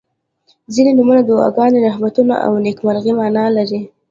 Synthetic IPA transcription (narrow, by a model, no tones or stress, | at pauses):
zinenumunad̪owɑ̰ɡɑnd̪enahbat̪una̰ʔa̰wnekmaɾɣimɑnɑlaɾi